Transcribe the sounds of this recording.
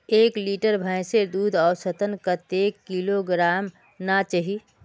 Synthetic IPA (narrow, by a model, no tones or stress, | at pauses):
eːkliːʈəɾbʱãɪ̃sed̪uːd̪ʱɔːsət̪ənkət̪eːkːiloɡɾaːm | nat͡ʃəɦi